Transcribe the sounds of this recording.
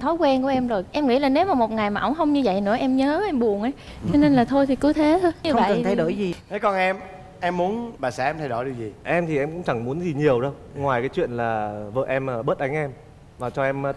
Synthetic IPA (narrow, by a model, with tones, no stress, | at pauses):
t̪ʰɔ˨˦jkwɛ˧nku˧˩əʔɛ˧mzo˨˩jʔɛ˧mŋḭ˧˥laː˨˩ne˨˦wmaː˨˩mo˨˩t̚ŋa˨˩jmaː˨˩ʔə̰˧˩wŋ͡mhə˧wŋ͡mɲɨ˧və̰˧˨jnɨ̰˧˥əʔɛ˧mɲəː˨˦ʔɛ˧mɓu˨˩ənʔaː˨˧˦j | t͡ɕɔ˧ne˧nlaː˨˩t̪ʰo˧jt̪ʰi˨˩kɨ˨˦t̪ʰe˨˦o˧ɲɨ˧və˧˨ə˨˩t̪ʰjɗo̰˧˩jzi˨˩t̪ʰe˨˦kɔ˧nʔɛ˧m | ʔɛ˧mːu˨˦ənɓaː˨˩saː˧˥ʔɛ˧mt̪ʰa˧jɗo̰˧˩jɗi˧˩wzi˨˩ʔɛ˧mt̪ʰi˨˩ʔɛ˧mkʊ̰˧˥ŋ͡mt͡ɕa˨˧˩ŋmu˨˦ənzi˨˩ɲi˨˩əwɗə˧w | ŋwaː˨˩jkaː˨˦jt͡ɕwḭ˧˨ənlaː˨˩və̰ː˧˨˩ʔɛ˧mː˨˩ɓə˦˥t̚ʔa˨˦ŋ̟ʔɛ˧m | vaː˨˩t͡ɕɔ˧ʔɛ˧m˧